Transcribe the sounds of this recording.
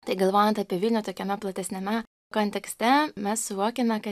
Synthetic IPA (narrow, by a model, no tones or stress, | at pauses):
t̪ɐɪɡɐlˠʋoːjɛnt̪ɐpʲiɛʋʲɪlʲnʲʊːt̪oːkʲɛmʲɛplˠɐt̪ʲɛsʲnʲɛmʲɛ | koːnʲt̪ʲɛksʲt̪ʲɛmʲɛssʊʋoːkʲɛmʲɛkɐ